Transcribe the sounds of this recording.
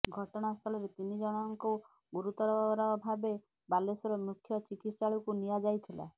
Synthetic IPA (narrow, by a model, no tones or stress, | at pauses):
ɡʱɔʈɔɽ̃ast̪ʰɔlɔɾet̪inid͡ʒɔɽ̃ŋku | ɡuɾut̪ɔɾɔbʱabɾɔbʱabe | balesɔɾɔmukʰjɔt͡ʃikit̪saɭɔkunijad͡ʒajt̪ʰila̰